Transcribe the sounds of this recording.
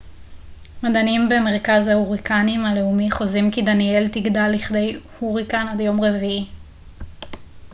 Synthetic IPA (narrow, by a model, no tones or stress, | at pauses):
madanimbemeʁ̞kazhauʁikanimale̞umiχo̞zimkidanie̞ltiɡdalːiχde̞jhuʁikanadjo̞mʁevii